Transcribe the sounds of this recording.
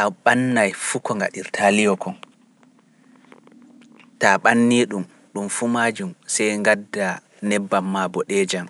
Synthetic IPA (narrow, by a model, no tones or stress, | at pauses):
taɓanːajfukɔŋɡa̰ɗiɾtʰalijɔkɔn | taɓanːiɗum | ɗumfumaːd͡ʒumsɛjŋɡadːa | nɛbːamːabɔɗɛːd͡ʒam